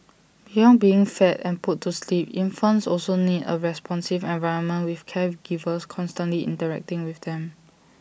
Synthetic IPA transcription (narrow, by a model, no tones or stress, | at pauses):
b̥ijɔ̃nbiɪ̃ŋfɛtɛ̃nputʰːuslipĩnfə̃nsɔlsonidə̰ɹɛspʰɔ̃nsɪvɛ̃nvaɪɹə̃nmə̃nwɪfkʰɛvɡ̥ivəskʰɔ̃nstə̃nliʔɪ̰̃ntəɹɛ̰k̚tɪ̃ŋwɪfdɛ̃m